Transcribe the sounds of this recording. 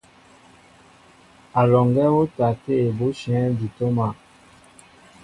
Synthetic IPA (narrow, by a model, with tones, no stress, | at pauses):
a˨lɔ˨ŋɡɛ˦wo˦ta˨te˦˨bo˦ʃɛ̃˨˦di˨to˦ma˨